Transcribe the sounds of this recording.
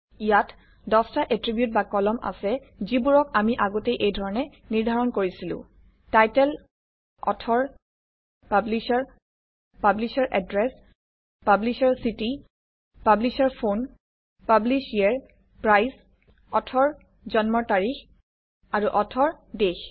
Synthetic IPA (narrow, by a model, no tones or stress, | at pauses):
ijat | dɔstaʔetɹibjut̚bakɔlɔmʔa̰sɛzibuɹɔkamiʔaɡɔtejʔejdʱɔɹɔnɛ | niɹdʱaɹɔnkoɹisilʊ̰̃ | tajtɛl | ɔ̰tʰɔɹ | pablisaɹ | pablisaɹʔɛ̰dɹɛs | pablisaɹsiti | pablisaɹpʰon | pablisiaɹ | pɹajs | ɔtʰɔɹ | zɔnmɔɹtaɹix | aɹuʔɔtʰɔɹdex